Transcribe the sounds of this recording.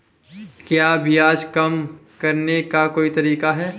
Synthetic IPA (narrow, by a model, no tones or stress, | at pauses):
kjaːbʱiaːd͡ʒkɐmkɐɾnekakoːit̪ɐɾiːkaɦɛː